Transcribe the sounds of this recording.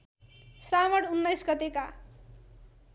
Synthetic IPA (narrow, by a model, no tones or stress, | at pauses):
sramʌɽunːʌjsɡʌt̪eka